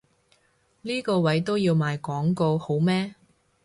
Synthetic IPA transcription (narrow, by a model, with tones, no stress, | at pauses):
liː˥kɔː˧wɐ˨˥jt̪̬o˥wjiː˧wmaː˨˧jkɔː˨˥ŋko˧who˨˥wmɛː˥